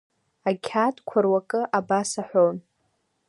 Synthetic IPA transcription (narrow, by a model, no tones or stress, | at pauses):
akʲʰatʼkʷʰarwakʼɨʔabasaħʷown